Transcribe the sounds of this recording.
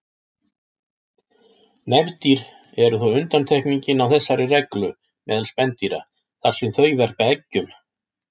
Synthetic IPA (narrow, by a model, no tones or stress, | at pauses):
nɛvt̪iɾ̥ | ɛɾʏθowʏnt̪ant̪ʰɛhkniɲcɪnawθɛsːaɾɪrɛklʏ | mɛːðalspɛnt̪iɾa̰ | θaɾ̥sɛmθœɥvɛr̥̚paɛcːʏm